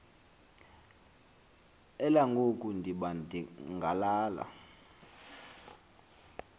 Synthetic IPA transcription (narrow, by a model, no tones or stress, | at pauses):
ɛlaŋɡʱokʼundʱiɓandʱiŋɡʱalaːla̰